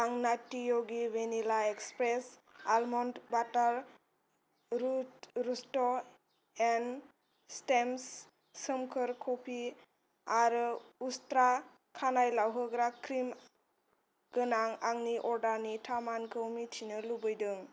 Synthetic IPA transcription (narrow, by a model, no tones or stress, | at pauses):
aŋnatijoɡiwenilaekspɾesalmɔndbataɾ | ɾustɔ | en | stems | səmkʰɯɾkʰopʰi | aɾustɾa | kʰanajlawɦɯɡɾakɾim | ɡ̥ɯnaŋaŋniʔɔɾdaɾnitʰamankʰɯwmitʰinɯlubɯjdɯŋ